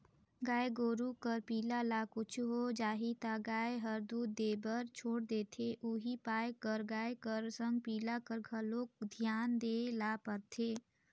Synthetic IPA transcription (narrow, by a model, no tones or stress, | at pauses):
ɡaːeɡoːɾukəɾpiːlalakʊt͡ʃʰuɦod͡ʒaːɦit̪aɡaːeɦəɾd̪uːd̪eːbəɾt͡ʃʰoːɽd̪eːt̪ʰeʔuɦipaːekəɾɡaːekəɾsə̃ŋɡ̚piːlakəɾɡʱəlokd̪ʱjaːnd̪eːlaːpəɾt̪ʰeː